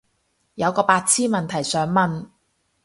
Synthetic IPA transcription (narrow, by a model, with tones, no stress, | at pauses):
jɐ˨˧wkɔː˧paː˧t̚t͡sʰiː˥nmɐ˨nt̪ʰɐ˨˩jsœː˨˧ŋmɐ˨n